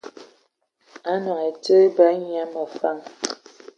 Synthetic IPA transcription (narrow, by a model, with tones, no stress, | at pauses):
a˦nɔ̃˨ɛ˨tə˦bə˨˦ɲi˦˨˦a˨˦mə˨fa˦˨ŋ